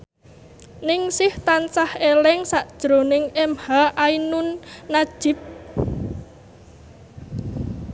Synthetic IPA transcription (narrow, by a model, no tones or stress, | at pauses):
nɪŋsɪht̪ansahelɪŋsaʔd̥ʒ̥ɾo̤nɪŋɛmhaʔainʊnːad̥ʒ̥ɪ̤p̚